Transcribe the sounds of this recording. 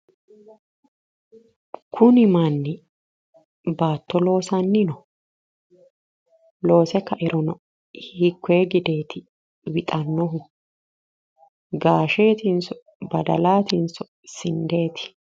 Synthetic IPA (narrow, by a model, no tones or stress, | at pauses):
kʰʊnɪmanːɪ | baːt̪ːɔlo̞ːsɐnːɪnɔ | lo̞ːsɛkːɐʔɪɾɔnɔ | hikʰːeːɡɪd̪eːt̪ɪ | wɪt̪ʼɐnːɔɦʊ | ɡaːʃeːt̪ɪnsɔ | bɐd̪ɐ̰laːt̪ɪnsɔ | sɪnd̪e̞ːt̪ɪ̥